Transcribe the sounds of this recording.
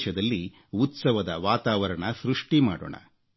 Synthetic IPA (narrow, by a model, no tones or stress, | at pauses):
ʃɐd̪ɐlːi | ut̪sɐʋɐd̪ɐʋaːt̪aːʋɐɾɐɳɐsɾuʂʈimaːɽo̰ːɳɐ̰